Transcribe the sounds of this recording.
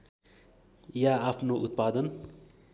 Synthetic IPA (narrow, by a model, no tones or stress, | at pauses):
jaapʰnoʔut̪̚paːd̪ən